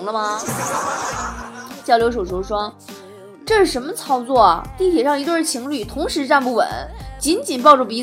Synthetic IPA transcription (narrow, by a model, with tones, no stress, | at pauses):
ŋlə˧mɐ˧ | t͡ɕjɑ˥˩ljo˧˥ʂo˨˩ʊʂo˥ʊʂwɔ˥ | ʈ͡ʂɤ˥˧ʂɻ̩˥˩ʂə˧˥nmə˧t͡sʰɑ˥ʊt͡swɔ˥˩ɐ̰˩t̪i˥˩t̪ʰjɛ˨˩ʂɑ˥˩ŋi˧˥wə˥˩t͡ɕʰi˧˥ŋly˨˩t̪ʰʊ˧˥ŋʂɻ̩˧˥ʈ͡ʂa˥˧npu˥˩wə̰˨˩˦nt͡ɕi˧˥nt͡ɕi˨˩np̬ɑ˥˧ʊʈ͡ʂu˥˩pi˧˥